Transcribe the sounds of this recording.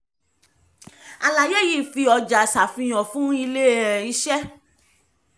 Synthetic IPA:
a˨la˨je˦˨ji˦˨fi˧ɔ˧d͡ʒa˨sa˨fĩ˧j̃ɔ̃˨fũ˦i˧le˦˨ɛ̃˨i˨˦ʃɛ˦

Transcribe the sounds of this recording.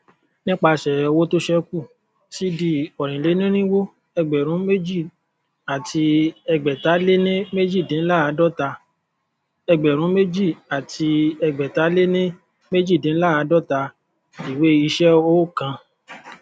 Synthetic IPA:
nĩ˦k͡pa˧ʃɛ˨˧wo˦to˦ʃɛ˧ku˦˨ | si˦di˦ɔ˨ɾ̃ĩ˨le˨˦nĩ˦ɾ̃ĩ˦wo˦ | ɛ˧ɡ͡bɛ˨ɾ̃ũ˨˦me˦d͡ʒi˦˨ | a˨ti˧ɛ˧ɡ͡bɛ˨ta˨˦le˦nĩ˦me˦d͡ʒi˦˨dĩ˨˦la˦˨a˧˦dɔ˦ta˧ | ɛ˧ɡ͡bɛ˨ɾ̃ũ˨˦me˦d͡ʒi˦˨a˨ti˧ɛ˧ɡ͡bɛ˨ta˨˦le˦nĩ˦ | me˦d͡ʒi˦˨dĩ˨˦la˦a˧˦dɔ˦ta˧ | i˨we˦i˧ʃɛ˦o˦kã˧

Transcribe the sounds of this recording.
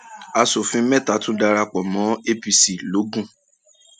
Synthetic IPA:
a˧so˨fĩ˧˦mɛ˦˨ta˨˦tũ˦da˧ɾa˧k͡pɔ˨mɔ̃˨˦e˦pi˧si˨lo˨˦ɡũ˦˨

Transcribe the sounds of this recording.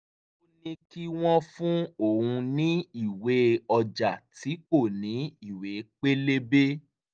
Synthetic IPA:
o˦nĩ˧ki˦w̃ɔ̃˦fũ˦o˦˨ũ˧nĩ˦i˦˨we˨˦ɔ˧d͡ʒa˨ti˨˦k͡po˦˨nĩ˨˦i˦˨we˨˦k͡pe˦le˦be˦

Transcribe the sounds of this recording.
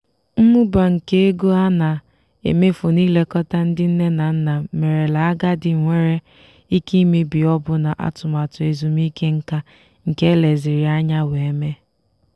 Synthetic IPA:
m̩˦mu˦ba˨ŋ̩˨ke˦e˦ɡo˦a˦na˨ | ḛ˨me˦fo˨niː˦le˦kɔ˦ta˦n̩˦dɪ˦n̩˦ne˦na˨n̩˦na˨me˨ɾe˨la˨a˦ɡa˦dɪ˨ŋʷe˦ɾe˦ | i˦ki˦me˦bi˨ɔ˦bʊ˦na˨ʔa̰˦tʊ˨ma˨tʊ˨e˨zu˨m˦i˦ke˦ŋ̩˦ka˦ | ŋ̩˨ke˦le˨zɪ˨ɾɪ˨a˦ɲa˦we˨e˦me˦

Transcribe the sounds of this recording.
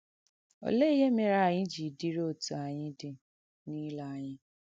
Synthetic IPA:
o̰˨le˦i˦je˦me˦ɾa˦˨ɲɪ̃˦d͡ʒi˨di˦ɾo˦˨tu˨a˨ɲɪ̃˦dɪ˦ | ni˦la˨ɲɪ˦

